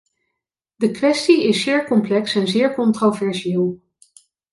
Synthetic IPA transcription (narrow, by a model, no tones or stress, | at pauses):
dəkʋɛstiɪsːɪːɹkɔmplɛksɛnzɪːɹkɔntrovɛɹsɪːlˠ